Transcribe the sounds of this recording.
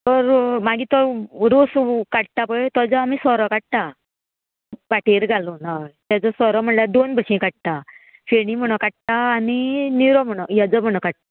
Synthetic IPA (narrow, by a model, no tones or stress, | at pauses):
t̪ɔɾmaɡit̪ɔɾoskaɽt̪apəjt̪ɔd͡zɔamisɔɾɔkaɽ̚t̪a | paʈeɾɡʱalɔnat̪jad͡zɔsɔɾɔm̤əɳlad̪onbʱəɕĩkaɽ̚t̪a | feɽĩm̤əɽ̃ɔkaʈ̚t̪aːniniɾɔm̤əɽ̃ɔjad͡zɔm̤əɽ̃ɔkaɽ̚t̪a